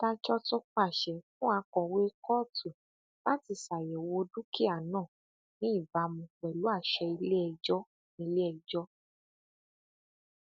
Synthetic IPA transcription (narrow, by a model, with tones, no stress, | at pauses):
ta˧t͡ʃɔ˦tɔ˦k͡pa˦˨ʃɛ˨fũ˦a˧˦kɔ̃˧˨we˦kɔ˦˨tu˨ | la˦ti˧˨sa˨jɛ˨wo˧du˦ki˦a˦˨nãː˦˨ | nĩ˨˦i˦˨ba˨˧˦mũ˧k͡pɛ˨lu˨˦a˦˨ʃɛ˧i˧le˦ɛ˧d͡ʒɔ˦ | nĩ˧˦le˦ɛ˧d͡ʒɔ˦